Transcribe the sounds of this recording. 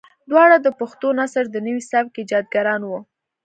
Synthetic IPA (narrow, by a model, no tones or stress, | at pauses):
d̪wɑɽad̪əpaxt̪onasəɾd̪ənəwisab̚ked͡ʒɑd̪̚ɡaɾɑnwu